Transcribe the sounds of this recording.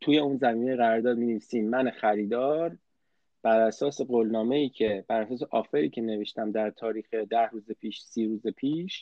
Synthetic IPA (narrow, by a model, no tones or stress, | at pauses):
t̪ʰuje̞unzæmiːne̞jeɣæɾɒɾd̪ɒːd̪̚minevisiːmːænexæɾiːd̪ɒːɾ | b̥æɾæsɒːse̞ɡolnɒːme̞jiːcʰe̞b̥æɾæsɒːs̬eʔɒːfeɾiːcʰe̞ne̞veʃt̪æmd̪æɾt̪ʰɒːɾiːxed̪æhɾuːzepʰiːʃsiːɾuːzepʰiːʃ